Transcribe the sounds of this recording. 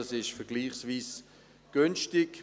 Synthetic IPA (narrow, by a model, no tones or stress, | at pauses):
ɑsɪʃfɛʁɡliːχsviːs | ɡ̥ynʃtɪk